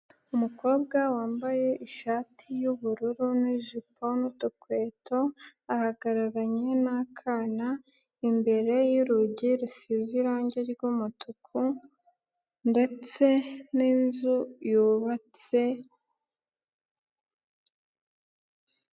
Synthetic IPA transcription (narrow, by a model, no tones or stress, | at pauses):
umuko̞ːb̚ɡawaːmbaje̞ʔiʃaːtʰijuβuɾuɾuniʒipʰo̞nutokweːtʰo̞ahaɡaɾaɾaɲe̞nakʰana | imbe̞ɾe̞jiɾuɟiɾisiziɾaːɲɟeɾɡumutʰukʰu | nde̞t͡se̞niːnzujuːβat͡se̞